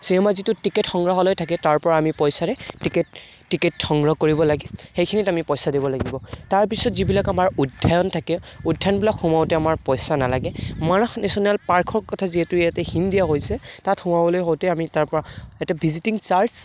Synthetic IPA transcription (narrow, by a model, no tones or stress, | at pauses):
sinɛmazitʊtiketxɔŋɡɹɔɦɔlojtʰakɛtaɹpɔɹaamipɔjsaɹɛtiket̚ː | iketxɔŋɡɹɔkoɹibɔlaɡɛxejkʰinitamipɔjsadibɔlaɡibɔtaɹpisɔtzibilakamaɹudʱːajɔntʰakɛudʱajɔnbilakʰxumawtɛamaɹpɔjsanalaɡɛmanɔxnesɔnalpaɹkʰɔɹkɔtʰaziɦɛtʊjatɛxindijaɦojsɛtatxumabɔlojɦowtɛamitaɹpɔɹaɛtɛbʱizitiŋsaɹs